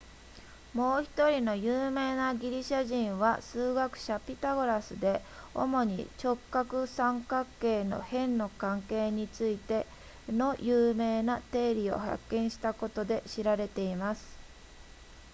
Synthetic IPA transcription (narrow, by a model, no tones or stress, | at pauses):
mo̞ːçi̥t̪o̞ɾʲino̞jɯːme̞ːnaɡʲiɾʲiɕaʑĩɰ̃βasɨːɡakɯ̟̥ɕapʲit̪aɡo̞ɾasɨd̪e̞o̞̰mo̞ɲ̟ḭt͡ɕo̞kːakɯ̟sãŋkakːe̞ːno̞̰hẽ̞nːo̞kãŋke̞ːɲ̟it͡sɨit̪e̞ | no̞jɯːme̞ːnat̪e̞ːɾʲio̞̰ha̰kːẽ̞ɰ̃ɕi̥t̪ako̞t̪o̞d̪e̞ɕiɾaɾe̞t̪e̞imasɨ̥